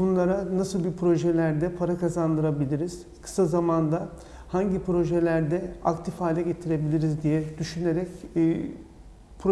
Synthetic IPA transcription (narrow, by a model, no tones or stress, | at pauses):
bunlˠaɾanasɯlˠbipʰɾo̞ʒɛlʲæɾd̪ɛpʰaɾakazand̪ɯɾabilʲiɾiz̥ | kʰɯ̥sazamand̪a | haɲɟipɾo̞ʒɛlʲæɾd̪ɛakt̪ʰifaːlʲɛɟe̞t̪ʰiɾe̞bilʲiɾizd̪ijɛd̪̥yʃyneɾɛcː | pʰɾo